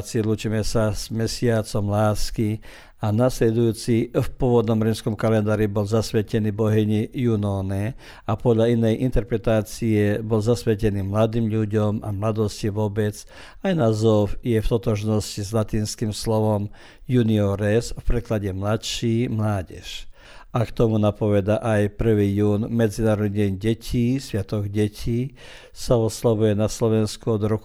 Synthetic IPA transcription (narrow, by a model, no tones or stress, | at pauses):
t͡sɪɛlut͡ʃiːmɛsaz̥mɛsɪat͡sɔmlaːski | anaslɛd̪ujuːt͡sifpʊɔʋɔd̪nɔmɾɛmskɔmkalɛnd̪aːɾibɔlzasʋɛcɛniːbɔɦɛɲijunɔnɛ | apɔd̪ʎainɛjʔint̪ɛɾpɾɛt̪aːt͡siɛbɔlzasʋɛcɛniːmlad̪iːmʎuɟɔmamlad̪ɔsciʋʊɔbɛt͡s | ajnazɔfjɛft̪ɔt̪ɔʒnɔscizlat̪iːnskiːmslɔʋɔm | juniɔɾɛsfpɾɛklaɟɛmlat̪ʃiːmlaːɟɛ̰ʃ | ʔakt̪ɔmunapɔʋɛd̪aʔajpr̩ʋiːjuːnmɛd͡zinaːɾɔd̪ɲɛɲɟɛcʰiːsʋɪat̪ɔɡɟɛcʰiː | saɔslaʋujɛnaslɔʋɛnskuɔd̪ɾɔk